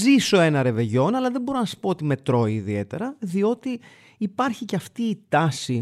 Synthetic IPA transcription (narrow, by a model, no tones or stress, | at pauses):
ziso̞enɐɾe̞ve̞ʝo̞nɐlɐðebo̞ɾo̞nɐsi̥po̞ot̪ime̞t̪ɾo̞iːðie̞t̪e̞̰ɾɐðio̞t̪iː | pɐɾçiceɐft̪iːt̪ɐsi